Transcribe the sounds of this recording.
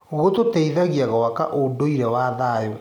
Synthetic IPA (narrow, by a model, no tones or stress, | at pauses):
ɣototeiðaɣiaɣɔwaka̰ʔodoiɾɛwaðaːjo